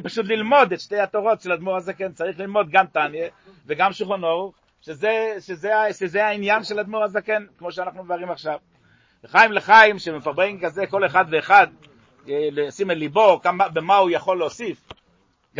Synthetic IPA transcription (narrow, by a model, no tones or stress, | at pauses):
paʃut̪̬lilmo̞d̪et̪ʃte̞jhat̪oʁo̞tʃelad̪muʁazakent͡saʁiχlilmo̞d̪̚ɡamt̪anjeveɡamʃulχano̞ʁuχ | ʃezeʃezeaʃezeainjanʃelad̪muʁazakenkmo̞ʃeanaχnumevaʁimaχʃav | eχajimleχajimʃemefaʁbeimkazeko̞leχad̪veːχad̪ | lesimelibo̞kamabemaujaχo̞lːeosif | ɡ